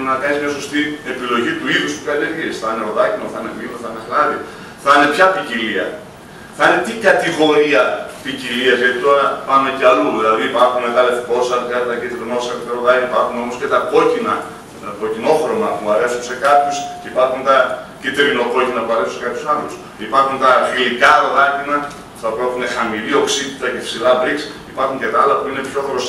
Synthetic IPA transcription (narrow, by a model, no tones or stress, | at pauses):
nɐkɐnizmɲɐs̬o̞st̪ie̞pilo̞ʝit̪uixusp̪u̥kɐlieɾisθɐneɾo̞ðɐcinoθine̞ɣlinoθane̞xlɐði | θɐne̞pçɐpiciliɐ̰ | θinet̪ikɐt̪iɣo̞ɾiɐpiciliɐzʝɐt̪it̪oɾɐpɐme̞ceɐluðilɐðiːpɐɾxunmeɣɐlefko̞sɐtɐɾt̪ɐcit̪ɾinosɐɾt̪eɾoðɐciipɐɾxuno̞mosce̞t̪ɐko̞cinɐ | t̪ocino̞xɾo̞mɐpuɐɾe̞sunse̞kɐpçusceipɐɾxunt̪ɐcit̪ɾino̞ko̞cinɐpuɐɾesunsekɐpçu̥sɐnus | ipɐɾxunt̪ɐfilikɐɾoðɐcinɐ | θɐpetunexɐmilio̞ksit̪i̥t̪ɐce̞fsilɐbɾiksipɐɾxuɲce̞t̪ɐɐlɐpuine̞pço̞xɾos